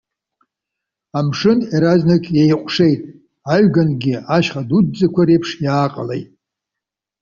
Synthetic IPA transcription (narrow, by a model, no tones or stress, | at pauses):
amʂɨniɾaznakʼjejqʷʼʂe̞jtʼ | aɥɡanɡʲiaʃχadudd͡zʼakʷʰaɾejpʰʂjaːqʼa̰lḛjtʼ